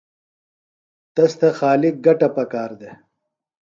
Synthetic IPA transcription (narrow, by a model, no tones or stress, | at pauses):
t̪ɐst̪ɐxaːlɪk̚ɡɐʈɐpɐkaːɾd̪e